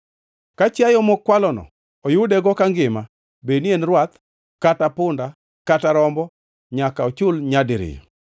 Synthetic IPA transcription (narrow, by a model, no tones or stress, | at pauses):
kat͡ʃjajɔmɔkːwalɔnɔ̰ | ojʊdɛɡɔkaŋɡɪma | benienɾwat̪ | katapʊnda | kataɾɔmbɔ | ɲakaɔt͡ʃʊlɲadɪɾɪ̰j